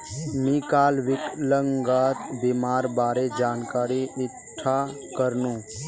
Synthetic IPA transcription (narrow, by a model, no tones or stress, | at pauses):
miːkaːlʋɪkləŋɡaːt̪bimaːɾbaːɾed͡ʒaːnkaːɾiɪ | ʈʰːa | kəɾnũː